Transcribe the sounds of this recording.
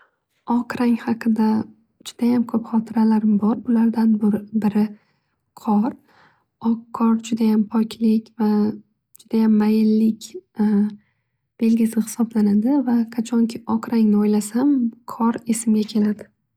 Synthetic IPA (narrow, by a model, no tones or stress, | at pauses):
ɒqʰɾaŋhɑqʰɨd̪a | d͡ʒʊd̪̥ajamkʰɵpχɒt̪ʰɪɾalaɾɪmbɒɾbʊlaɾd̪anbʊɾbɪɾɪ | qʰɒɾ | ɒkʰːɒɾd͡ʒʊd̪ajampʰɒkʲʰlɪkʲva | d͡ʒʊd̪ajamːajɪlːɪkʲ | b̥e̞lɡʲɪsɪhɪ̥sɒblanad̪ɪvakʰat͡ʃʰɒŋkʲʰɪɒqɾaŋnɪɒjlasamqʰɒɾe̞sɪmɡʲakʲʰe̞lad̪ɪ